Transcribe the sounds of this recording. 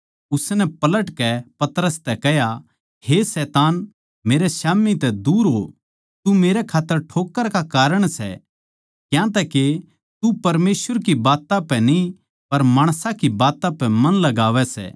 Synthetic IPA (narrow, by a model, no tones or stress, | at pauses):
ʊsnɛpɐləʈkɛpɐt̪əɾəst̪ɛkɛɦja | hesɛːt̪aːn | meːɾɛsaːmit̪ɛd̪uːɾɦo | t̪umeːɾɛkʰaːt̪ːəɾʈʰoːkːəɾkakaːɾəɽ̃sɛ̰ | kjãt̪̬ɛke | t̪upɐɾmeːsʋəɾkibaːt̪ãpɛni | pɐɾmaːɽ̃sãkibaːt̪ãpɛmɐ̃nlɐɡaːʋɛsɛ̰ː